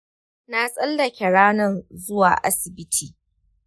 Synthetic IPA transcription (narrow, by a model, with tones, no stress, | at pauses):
na˦sʼɐ˦lːɐ˨kʲɛ˨ɽaː˦nɐ˦˨nzʊ˦wa̰ː˨ʔa˦sɪ˨bɪ˦tʰiː˨